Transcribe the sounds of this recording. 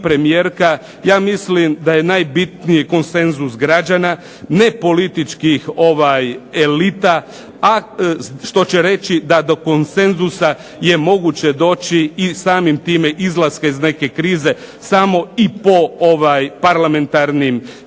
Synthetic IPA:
pɾemijeːɾka | jaːmislimd̪aje̞naːjbit̪nijeko̞nse̞nzusɡɾad͡ʒana | ne̞po̞lit̪it͡ʃkixo̞ʋajelit̪a | aʃt̪o̞t͡ɕe̞ɾe̞t͡ɕid̪ad̪o̞ko̞nse̞nzusa | je̞mo̞ɡut͡ɕe̞d̪o̞ːt͡ɕiːsaːmimt̪iːme̞ʔizlˠaskaizne̞ke̞kɾiːze̞ | samo̞ipo̞oʋajpaɾlame̞nt̪aɾnim

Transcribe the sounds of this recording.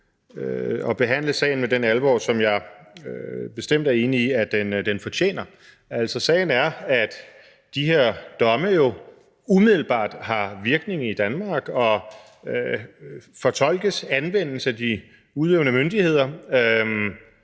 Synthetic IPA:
øɒ̽b̥e̝ɦæn̰ləsɛ̰ːɪn̩medenælʋɒ̰ːsɒ̽mjɑ̈ɪ | b̥e̝sd̥em̰d̥æɐe̝ːniiæd̥end̥enfɒ̽t͡ɕʰḛːnɐ | æl̰sɒ̽sɛ̰ɪn̩æɐæd̥ | d̥ihe̝ɐ̰d̥ɒ̽məjo̝ | umiðˠl̩b̥ɑ̰̈ːd̥hɑ̈ʋiɐɡ̥ne̝ŋ̩id̥ænmɑ̈ːɡ̥ɒ̽ | ø | fɒ̽t͡sʰɒ̽l̰ɡ̥əsænʋen̰l̩səæd̥i | uðˠeʊnəmønd̥ihe̝ð̰ˠɐ

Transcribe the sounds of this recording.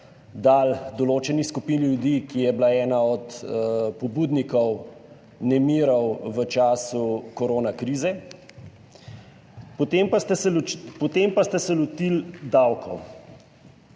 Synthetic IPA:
d̪aːld̪ɔloːt͡ʃɛnixskupinljud̪ikijɛblaɛːnaɔt̪pɔbuːd̪nikɔw | nɛmiːɾɔwʋət͡ʃaːsukɔɾoːnakɾiːzɛ | pɔt̪empst̪ɛspɔt̪empast̪ɛsɛlɔt̪ild̪awkʰɔw

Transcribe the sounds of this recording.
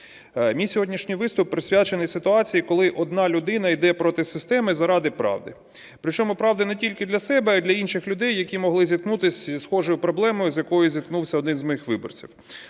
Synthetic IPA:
mʲijsʲɔɦɔdʲnʲiʃnʲijʋɪst̪ʊpːɾɪsʲʋʲjat͡ʃenɪjsɪt̪ʊɑt͡sʲijikɔlˠɪʔɔd̪nɑlʲʊd̪ɪnɐid̪ɛpɾɔt̪ɪsɪst̪ɛmɪzɐɾɑd̪ɪpɾɑ̰wd̪ɪ | pɾɪt͡ʃɔmʊpɾɑʋd̪ɪnɛtʲilʲkɪd̪lʲɐsɛbɛɐd̪lʲɐinʃɪxlʲʊd̪ɛjːɐkʲimɔɦlˠɪzʲit̪̚knut̪ɪsʲzisxɔʐɔjʊpɾɔblˠɛmɔjʊzʲjɐkɔjʊzʲid̪knuwsʲɐɔd̪ɪnzʲmɔjixʋɪbɔ̰rt͡sʲiw

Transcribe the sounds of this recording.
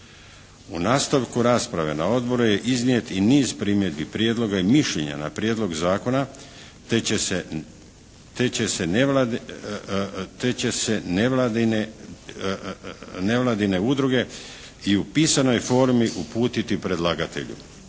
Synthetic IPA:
unaːst̪aʋkuɾaːspɾaʋe̞̰nao̞d̪bo̞ɾuje̞ʔiznije̞t̪iniːzpɾimjed̪bipɾjed̪lo̞ɡaimiʃʎḛɲa̰na̰pɾjeːd̪lˠo̞ɡzaːko̞na | t̪et͡ɕe̞se | t̪et͡ɕe̞se̞neld̪n | ne̞ʋlaːd̪ine̞ud̪ɾuɡe̞ | iupiːsano̞jfo̞ːɾmiʔupuːt̪it̪ipɾe̞d̪lˠaːɡat̪e̞̰ʎṵ

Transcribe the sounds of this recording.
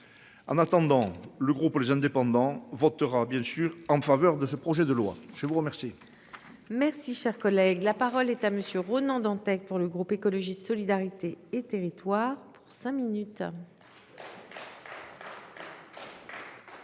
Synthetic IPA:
ɑ̃nat̪ɑ̃d̪ɑ̃ləɡʁuplezɛ̃d̪epɑ̃d̪ɑ̃vɔt̪əʁabjɛ̃syʁɑ̃favœʁd̪əsəpχɔʒɛd̪əlwa̰ʒ̥əvuʁəmɛʁsi | mɛʁsiʃɛʁkɔlɛɡlapaʁɔlɛt̪aməsjøʁɔnɑ̃d̪ɑ̃t̪ɛk̚puʁləɡʁupekɔlɔʒisɔlid̪aʁit̪eet̪eʁit̪waʁpu̥ʁsɛ̃minyt̪

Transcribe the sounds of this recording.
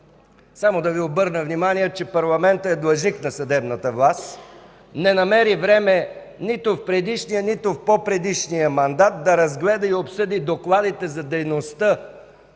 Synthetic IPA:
samod̪ɐviobɤɾnəvnimanijɛt͡ʃɛpɐɾlˠɐmɛnt̪əɛd̪lˠɐʒniknɐsɐd̪ɛbnət̪əvlˠast̪ | nɛnɐmɛɾivɾɛmɛ | nit̪ʊfpɾɛd̪iʃnijənit̪ʊfpopɾɛd̪iʃnijəmɐnd̪at̪̚d̪ɐɾɐzɡlɛd̪əiopsɤd̪id̪oklˠad̪it̪ɛzɐd̪ɛjnost̪ə

